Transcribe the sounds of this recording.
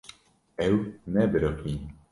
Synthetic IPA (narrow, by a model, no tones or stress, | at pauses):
ɛwnɛbɾoki